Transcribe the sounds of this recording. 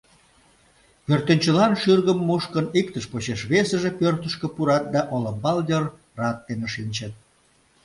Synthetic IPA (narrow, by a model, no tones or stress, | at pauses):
pørt̪ənʲt͡ɕəlɑnʃyrɣəmːuʃkənikt̪əʃpot͡ɕeʃβesəʒepørt̪əʃkĕpuɾɑt̪̚d̪ɑʔoləmbɑljər | rɑt̪ːeneʃinʲt͡ɕet̪̚